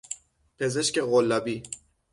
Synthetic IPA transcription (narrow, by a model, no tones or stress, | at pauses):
pʰe̞ze̞ʃkeɣolːɒbiː